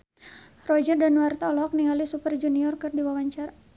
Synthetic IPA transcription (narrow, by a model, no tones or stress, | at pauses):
rɔd͡ʒərdanwart̪aɔlɔɦɔk̚niŋalisupərd͡ʒuniɔrkərdiwawaɲt͡ʃaɾa